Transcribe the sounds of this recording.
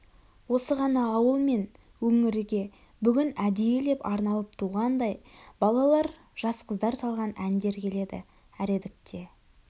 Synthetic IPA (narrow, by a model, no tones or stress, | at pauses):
wo̞səʁɑnɑːwəlˠme̞n | wɵŋɪɾɪɡʲe̞ | bʏɡʲɪnæd̪ejele̞pɑɾnɑlˠəp̚t̪ʰuʁɑnd̪ɑjbɑlˠɑlˠɑɾ | ʒ̥ɑsqəzd̪ɑɾsɑlˠʁɑnænd̪e̞ɾkʲʰe̞le̞d̪ɪ̰ | æɾe̞d̪ɪk̚t̪ʰe̞